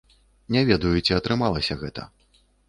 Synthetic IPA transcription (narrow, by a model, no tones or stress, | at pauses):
nʲɛvʲɛd̪ɐjut͡sʲiɐt̪ɾɨmalˠɐsʲɐɣɛt̪ɐ̰